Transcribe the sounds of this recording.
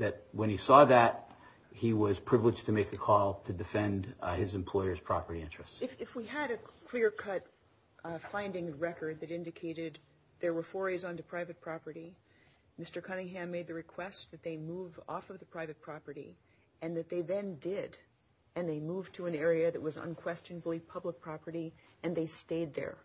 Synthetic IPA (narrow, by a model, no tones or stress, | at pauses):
ðɨt̚wɨ̃nisɔðɨt̚ | hiwʌz̥pʰɹ̥ɪvlɨd͡ʒtʰɨmeɪkɨkʰɔlˠtʰɨdɨfɛ̃ndɪzɨ̃m̩pʰl̥ɔɪə˞z̥pʰɹ̥ɑpə˞ɾiɪ̃nt͡ʃɹ̥ɨstsɪfɨfwiɨɾɨkʰl̥ɪɹkʰʌt̚ | fãɪ̃ndɪ̃ŋɨɹɛkə˞d̪̚ðɨɾɪ̃ndɨkʰeɪɾɪd̪̚ | ðə˞wə˞fɔɹiz̃ntɨpʰɹ̥aɪvɨt̚pʰɹ̥ɑpə˞ɾi | mɪstə˞kʰʌnɪ̃ŋɦæ̃mːeɪd̪̚ðɨɹɨkʰw̥ɛst̪̚ðɨt̪̚ðeɪmuvɔ̰fʌvðɨpʰɹ̥aɪvɨt̚pʰɹ̥ɑpə˞ɾḭ | ɨ̃nðɨt̪̚ðeɪðɨ̃ndɪɾ | ɨ̃nðeɪmuvtʰɨɨ̃nɛɹiɨðɨʔ̚wʌzə̰̃nkʰw̥ɛst͡ʃɨ̃nəbl̩ˠipʰʌblək̚pʰɹ̥ɑpə˞ɾi | ɨ̃nðeɪsteɪd̪̚ðə̰˞